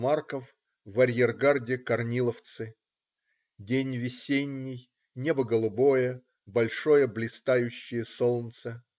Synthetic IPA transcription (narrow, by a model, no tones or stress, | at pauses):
markəf | vɐɾʲjerɡardʲɪkɐrnʲilˠəft̪sɨ | dʲenʲvʲɪsʲenʲːɪj | nʲebəɡəlˠʊbo̞jə | bɐlʲʂo̞jəblʲɪst̪ajʉɕːɪjəsolˠnt̪sə